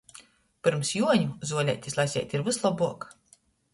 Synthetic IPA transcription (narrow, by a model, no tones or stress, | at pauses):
pɨɾmsjuɔɲuzuɔlʲɛ̰jt̪ʲislˠajsʲɛ̰jt̪ʲiɾvɨslˠɔbuɔk